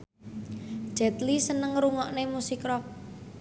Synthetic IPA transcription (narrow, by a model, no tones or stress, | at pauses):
d̥ʒ̥ɛt̪lisənəŋɾuŋɔʔnemusikɾɔk̚